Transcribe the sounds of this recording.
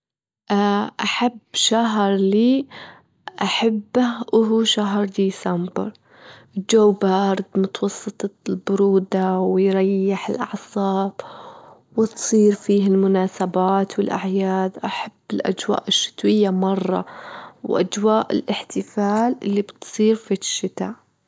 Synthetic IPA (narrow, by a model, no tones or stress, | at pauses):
ʔaʔaħabːʃaɦɾˤliː | ʔaħabːaʔʊɦuʃaɦɾˤd̪iːsambɪ̰ɾˤ | d͡ʒawːbaʔɑɾˤd̪mʊt̪wɑsˤːɨt̪ˤɑlbʊɾuːd̪awɪjɾˤɑjːɪħɪlʔɑ̰ʕsˤɑːb̥ | wɪt̪sˤiːɾfiːhɪlmʊnaːsabaːt̪wɪlʔaʕjaːd̪ʔaħabːɪlʔa̰d͡ʒwa̰ːʔɪʃːɪ̥t̪wɪjːamɑrˤːɑ̰wʔa̰d͡ʒwaːʔɪ̰lʔɪħt̪ɪfaːlʔɪlːibt̪sˤiːɾfiʃːɪt̪aːʔ